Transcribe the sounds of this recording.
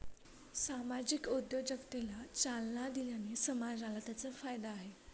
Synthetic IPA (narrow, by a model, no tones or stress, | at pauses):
samad͡ʑikod̪jəd͡ʑəkt̪elat͡salnad̪iljanesəmad͡ʑɾalət̪at͡səfajd̪aːɦe